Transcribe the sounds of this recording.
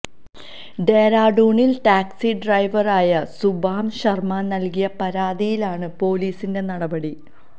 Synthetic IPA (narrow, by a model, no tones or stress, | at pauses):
ɖeːɾaːɖuːɳilʈaːksiɖrɐjʋɐraːjɐsubaːmɕɐrmaːnɐlkijɐpɐɾaːd̪ijilaːɳɨpo̞ːliːsinde̞nɐɽɐbɐɽi